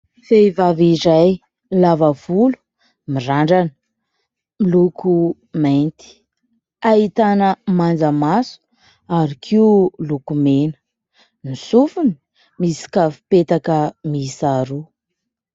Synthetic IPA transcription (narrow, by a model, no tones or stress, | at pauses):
fevaviɾaj | lavavulu̥ | miraɳɖ͡ʐanə̥ | miluku | ment̪i̥ | ait̪anəmand͡zəmasu̥ | aɾikʰiulukumenə̥ | nisufuni | misi̥kavi̥pet̪akəmisaɾu